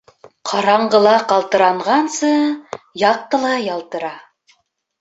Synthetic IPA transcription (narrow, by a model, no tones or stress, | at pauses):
qʰɑɾɑɴɢɤ̆lˠɑqɑlˠt̪ɤ̆ɾɑɴʁɑnsɤjɑq̪̚ːɤ̆lˠɑjɑlˠt̪ɤ̆ɾɑ